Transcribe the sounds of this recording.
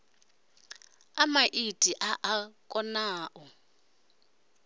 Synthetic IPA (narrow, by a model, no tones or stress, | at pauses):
amaʔitʼiʔaʔakʼɔnaːʔɔ